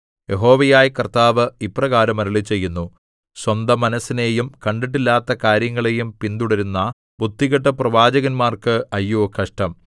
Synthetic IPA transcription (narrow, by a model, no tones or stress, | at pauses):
je̞ɦo̞ːʋɐjaːjkɐrt̪aːʋɨiprɐɣaːɾɐmɐɾuɭit͡ɕːe̞jːunːu | swɐnd̪ɐmːɐnɐsːine̞ːjumkɐɳɖiʈ̬ːilːaːt̪ːɐkaːɾjɐŋːɐɭe̞jumpind̪uɽɐɾunːɐ | bud̪ːiɣɐʈːɐprɐʋaːd͡ʑɐɣɐnmaːrkɨɐjːukʰɐʂʈɐm